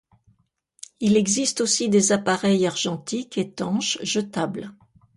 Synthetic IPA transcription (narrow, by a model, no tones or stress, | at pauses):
ilɛɡzist̪osid̪ezapaʁɛjaʁʒɑ̃t̪iket̪ɑ̃ʃʒət̪abl